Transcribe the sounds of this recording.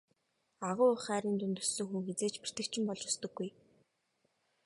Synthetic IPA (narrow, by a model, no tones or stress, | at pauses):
aʁʊːʊχæːɾiːnt̪ɵnt̪ɵ̆sɵ̆ŋxuŋxet͡seːt͡ɕpi̥r̥t̪ɘ̆kt͡ɕʰɪ̆mpɔɮt͡ɕɔ̥st̪ɞ̆ɡːuj